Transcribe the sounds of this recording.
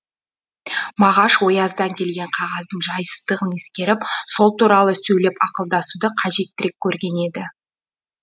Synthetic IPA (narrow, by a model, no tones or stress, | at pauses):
mɑʁɑʃwo̞jɑzd̪ɑŋkʲʰe̞lɡʲe̞ɴqʰɑʁɑzd̪əɴʒɑjsə̥zd̪əʁəne̞skʲe̞ɾɪpso̞lˠt̪uɾɑlˠəsɵjlepɑqəlˠd̪ɑsud̪əqʰɑʒe̞t̪ːɪɾe̞k̚ʲkʲʰːɵɾɡʲe̞ne̞d̪ɪ